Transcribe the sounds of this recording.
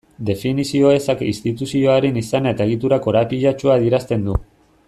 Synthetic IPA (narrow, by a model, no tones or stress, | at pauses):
d̪e̞finisio̞e̞sakeist̪it̪usio̞aɾenisanae̞t̪ae̞ɣ̞it̪uɾako̞ɾapiʎat͡ʃuaðieɾast̪e̞nd̪u